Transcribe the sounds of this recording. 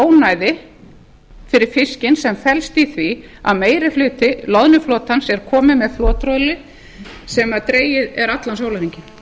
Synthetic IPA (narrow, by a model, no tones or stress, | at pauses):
oːwnaːjðɪ | fɪɾɪɾ̥fɪscɪnsɛmfɛlst̪iθvi | a̰ðmeːjɾɪflʏːt̪ɪlɔðnʏfloːt̪ansɛɾ̥kʰɔːmɪmɛðflɔːt̪ɾɔlɪ | sɛmaðt̪ɾeːjɪðɛɾat̪lansoːwlaɾiɲcɪ